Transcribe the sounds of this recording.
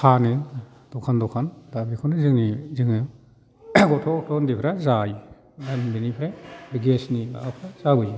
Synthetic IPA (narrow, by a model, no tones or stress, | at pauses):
pʰanɯ | d̥ɔkʰandɔkʰandabikʰɔnɯzɯŋiziŋɯ | ɡɔtʰɔtʰɔndipʰɾazaj | danbinipʰɾajbiɡesniba̰apʰɾazabɯj